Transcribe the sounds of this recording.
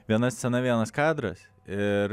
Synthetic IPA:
ʋʲiɛnɐst͡ssʲɛnɐʋʲiɛnɐskɑːd̪ɾɐ̰s | ɪɾ

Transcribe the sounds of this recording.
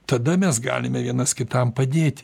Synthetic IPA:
t̪ɐd̪ɐmʲɛsɡɑ̰ːlʲɪmʲɛʋʲiɛnɐskʲɪt̪ɐmpɐd̪ʲeːt̪ʲ

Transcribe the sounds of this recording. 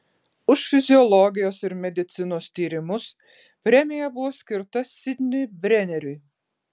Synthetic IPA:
uʃfʲizʲiɔlˠɔɡʲijɔsiɾmʲɛd̪ʲit̪sɨnust̪ʲiːɾimus | pɾʲɛmʲijabuwɔsʲkʲiɾt̪asʲid̪ʲnʲybʲɾɛnʲɛɾʲy

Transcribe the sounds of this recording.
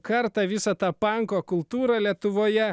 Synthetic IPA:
kɐɾt̪ɑʋʲɪsɐt̪ɑpɑŋkoːkʊlˠt̪uːɾɑːlʲiɛt̪ʊʋoːjɛ

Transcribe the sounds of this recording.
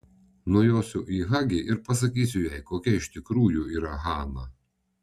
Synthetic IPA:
nuɔjoːsʲʊʔiːɣɑɡʲɪʔɪɾpɐs̬ɐkʲiːsʲʊjɛɪkoːkʲɛɪʃt̪ʲɪkɾuːjuiːɾɐɣɑːnɐ

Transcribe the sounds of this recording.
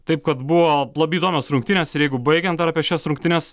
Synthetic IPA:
t̪ɐɪpkɐt̪buʋoːlˠɐbʲɪid̪oːmʲɛːsɾʊŋk̚t̪ʲɪnʲeːsɪɾjɛɪɡʊbɐɪɡʲɛnt̪d̪ɐɾɑpʲiɛʃʲɛsɾʊŋkt̪ʲɪnʲɛs

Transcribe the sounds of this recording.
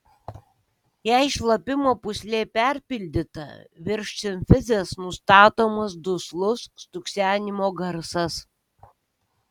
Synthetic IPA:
jæːɪʃlˠɐpʲɪmoːpʊsʲlʲeːpʲæɾʲpʲɪlʲd̪ʲɪt̪ɐ̰ʋʲɪɾʲʃʲt͡ʃʲɪmʲfʲɪzʲesnʊst̪ɑːt̪oːmɐs̬d̪ʊslˠʊsːt̪ʊksʲæːnʲɪmoːɡɐɾsɐs

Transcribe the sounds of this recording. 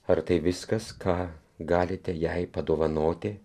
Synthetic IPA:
ɐɾt̪ɐɪʋʲɪskɐskʰɑː | ɡɑːlʲɪt̪ʲɛjɛɪpɐd̪oːʋɐnoːt̪ʲɪ

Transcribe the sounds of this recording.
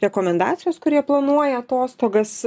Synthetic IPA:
ɾʲɛkoːmʲɛnd̪ɑ̰ːt̪sʲɪjoːskʊɾʲiɛplˠɐnuɔjɛɐt̪oːst̪oːɡɐs

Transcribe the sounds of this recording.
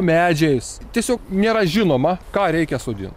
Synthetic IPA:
mʲæːd͡ʒʲɛjs | t̪ʲiɛsʲoːknʲeːɾɐʒʲɪnoːmɐkɑːɾʲɛɪkʲɛsoːd̪ʲɪ̰nt

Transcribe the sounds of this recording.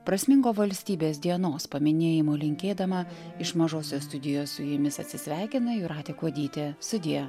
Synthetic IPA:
pɾɐsʲmʲɪŋɡoːʋɐlʲsʲt̪ʲiːbʲeːs̬ʲd̪ʲiɛnoːspɐmʲɪnʲeːjɪmoːlʲɪŋʲkʲeːd̪ɐmɐ | ɪʃmɐʒoːsʲoːst̪ʊd̪ʲɪjoːssʊjɪmʲɪsɐt̪ʲsʲɪsʲʋʲæˑɪkʲɪnɐɪɾɑːt̪ʲeːkuɔd̪ʲiːt̪ʲest̪ʊd̪ʲɪjɛ

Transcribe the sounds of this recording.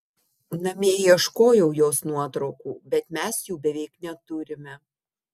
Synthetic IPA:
nɐmʲeːjiɛʃkoːjɛʊjoːsnuɔt̪ɾɐʊkuːbʲɛt̪mʲɛsjuːbʲɛʋʲɛɪknʲɛt̪ʊɾʲɪmʲɛ

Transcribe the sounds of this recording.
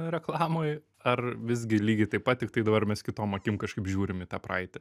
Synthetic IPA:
ɾʲɛklˠɑːmoːj | ɐrʋʲɪzʲɡʲɪlʲiːɡʲɪt̪ɐɪpɐt̪̚tʲɪkt̪ɐɪd̪ɐbɐrmʲɛskʲɪt̪oːmɐkʲɪmkɐʃkɐɪpʒʲuːɾʲɪmɪt̪ɑːpɾɑ̰ɪt̪ʲɛ

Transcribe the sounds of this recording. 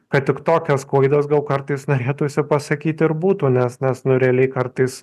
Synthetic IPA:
kɐt̪tʲɪkt̪oːkʲɛskuːɐɪd̪ɐsɡɐlˠkɐɾt̪ɐɪsnoːɾʲeːt̪uːsʲɪpɐsɐkʲiːt̪ʲɪɾbuːt̪uːnʲɛsnʲɛsnʊɾʲɛlʲɛɪkɐɾt̪ɐɪs

